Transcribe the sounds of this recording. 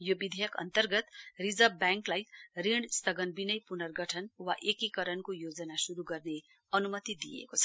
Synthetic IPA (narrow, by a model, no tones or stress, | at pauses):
jobid̪ʱejʌkʌ̰nt̪ʌrɡʌt̪rid͡zʌbbjaŋklajt̪riɽst̪ʌɡʌnbinʌjpunʌrɡʌʈʰʌnwaʔekikʌɾʌnkojod͡zʌnasuɾuɡʌrne | ʌnumʌt̪id̪ijḛkot͡sʰʌ̥